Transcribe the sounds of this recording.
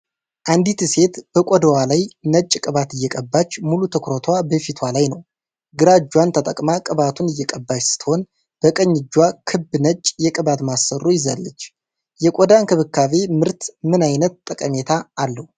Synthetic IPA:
ʔand̪it̪ɨse̞t̪b̥əkʷʼɔd̪əwalajnət͡ʃʼːkʼɨβat̪ɨjːɛkʼəbːat͡ʃːmulut̪ʰəkɾot̪ʰwabəfit̪ʰwalajnəw | ɡɨɾad͡ʒːwant̪ʰət̪ʼəkʼmakʼɨβat̪ʰunɨjːɛkʼəbːat͡ʃsɨ̥t̪ʰəho̞n | b̥əkʼəɲːɪd͡ʒːwakʰɨbːɨnət͡ʃʼjɛkʼɨβat̪masːərːujɪza̰lːət͡ʃː | jɛkʷʼɔd̪ankʰɨβɨkːave̞mɨɾt̪mɨnajnət̪t̪ʼːəkʼəme̞t̪ʰaːlːəhu

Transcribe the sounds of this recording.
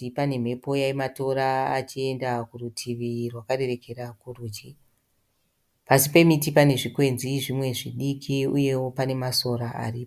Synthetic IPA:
ipane̞m̤e̞po̞jaimato̞ɾaːt͡ʃie̞ndakurutʰiʋirwakaɾe̞re̞ke̞ɾakuruːt͡ʃi | pasipe̞mitipane̞ʐikwe̞nziʐimwe̞ʐiɗikʰiuje̞wo̞pane̞maso̞ɾaa̰rip

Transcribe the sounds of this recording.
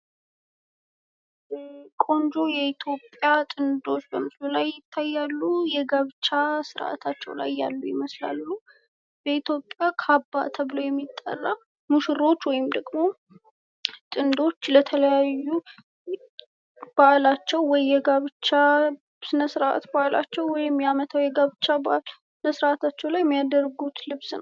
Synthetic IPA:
kʼo̞nd͡ʒo̞jɛit̪ʰjo̞pʼjat̪ʼɨnd̪o̞t͡ʃːbəmɨslulajːɪt̪ʰːajːalːujɛɡaβt͡ʃːasɨɾʔa̰t̪ʰat͡ʃːɛ̰wla̰jːa̰lːujɪməsla̰lːu | b̥əit̪ʰjopʼjakʰabːa̰t̪ʰəβɨlojɛmːit̪ʼːa̰rːa | muʃɨɾo̞t͡ʃːwɔjɪmd̪əɡmo̞ | t̪ʼɨnd̪o̞t͡ʃːlət̪ʰələjajːu | b̥aʔlat͡ʃːɛwwɔjjɛɡaβt͡ʃa | sɨnəsɨɾa̰t̪baʔla̰t͡ʃːɛwwɔjɛmːijamət̪ʰawjɛɡaβt͡ʃːaba̰ʔlsɨnəsɨɾʔat̪ʰat͡ʃːɛwlajɛmːijad̪əɾɡut̪lɨβsnə̰w

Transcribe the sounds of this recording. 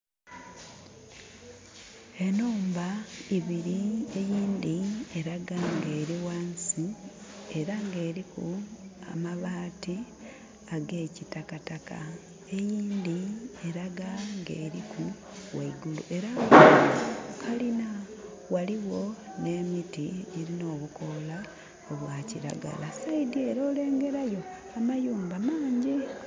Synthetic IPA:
e̞noːmbaiβiɾie̞jiːnd̪ieɾaɡaŋɡe̞ːɾiwaːnsie̞ɾaŋɡe̞ːɾikua̰maβaːti | aɡe̞ːcitakataka | e̞jiːnd̪ieɾaɡaŋɡe̞ːɾikʰu | waiɡulṵʔe̞ɾa | kʰalina | waliwo̞ne̞ːmitiiɾino̞ːβuko̞la | oβwaːciɾa̰ɡa̰lasaidie̞ɾo̞ːle̞ːŋɡe̞ɾajo̞ | amajuːmbamaːɲɟi

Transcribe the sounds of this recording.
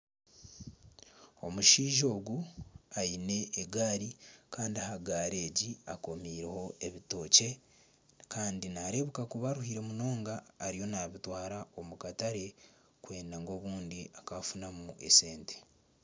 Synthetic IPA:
o̞muʃiːʒo̞ːɡuaine̞ːɡaːɾikaːndiahaɡaːɾe̞ːɟiako̞miːɾeho̞e̞βito̞ːce̞ | kaːndinaɾe̞βukakuβaɾuhiɾe̞muno̞ːŋɡaːɾijo̞naβitwaːɾao̞mukataɾe̞ | kwe̞ːndaŋɡo̞ːβuːndiakafunamuʔe̞̰se̞ːnte̥

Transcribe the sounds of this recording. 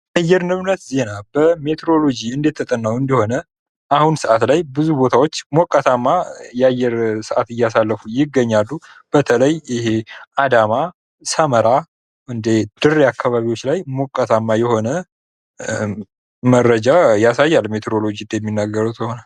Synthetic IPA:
jajːɛɾnɨβnət̪ze̞nab̥əme̞t̪ʰeɾo̞lo̞d͡ʒiɨnd̪et̪ʰːət̪ʼənːawɨnd̪əho̞nə | ʔahunsɨʔat̪lajbɨzubo̞t̪ʰawo̞t͡ʃːmokʼːət̪ʰamːajɛajːɛɾsɨʔat̪ɨjːasalːəfujɪɡːəɲːalːu | b̥ət̪ʰələjɪhead̪ama | səməɾa | ʔɨnd̪ed̪̥ɨrːakʰːaβaβiwo̞t͡ʃːlajmokʼːat̪ʰamːajɛho̞nə | mərːəd͡ʒajasajːalmet̪ʰeɾolo̞d͡ʒiɨnd̪jɛmːinːaɡəɾəwt̪ʰəho̞nal

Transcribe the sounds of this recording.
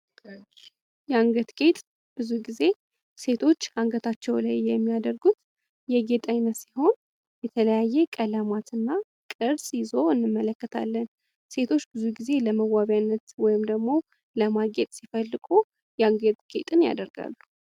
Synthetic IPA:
jɛaŋɡət̪ɡʼe̞t̪ʼ | b̥ɨzuɡize̞ | se̞t̪ʰo̞t͡ʃːaŋɡət̪ʰat͡ʃːɛwlajːɛmːijad̪əɾɡut̪ | jɛɡet̪ʼajnət̪siho̞n | jɛt̪ʰələjajːɛkʼələmat̪ɨnːa | kʼɨɾsjɪzo̞ɨnːɨmːələkːət̪ʰa̰lːən | se̞t̪ʰo̞t͡ʃːbɨzuɡize̞ləməwːaβjanːət̪wɔjɪmd̪əɡmo̞ | ləmaɡet̪ʼsifəlːɨkʼu | jɛaŋɡət̪ʼɡ̥ʼḛt̪ʼɨnja̰d̪əɾɡa̰lːu

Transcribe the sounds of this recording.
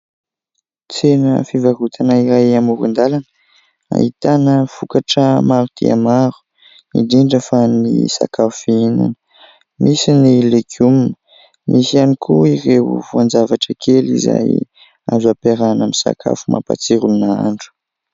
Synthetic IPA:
t͡senəfivarut̪ʰanaiɾajamuɾḭnd̪alanə | a̰ɦit̪anəfukaʈ͡ʂəmaɾut̪ʰḭa̰maɾu̥ | ḭdiɳɖ͡ʐəfanḭsa̰kafiinṵnə | mʔisinilekʰumnə | mʔisianikʰuirewvuand͡zavaʈ͡ʂəkʰelḭza̰j | azuapeɾanamisa̰kʰa̰fumʔa̰pa̰t͡siɾunaa̰ɳɖ͡ʐu̥

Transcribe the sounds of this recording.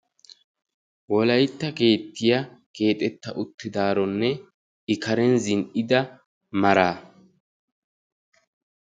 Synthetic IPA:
wɔlɐjt̪ːɐke̞ːt̪ːɪjɐke̞ːt̪ʼɛt̪ːɐʔʊt̪ːɪd̪aːɾɔnːɛ | ɪkɐɾɛnzɪnʔɪd̪ɐ | mɐɾaː

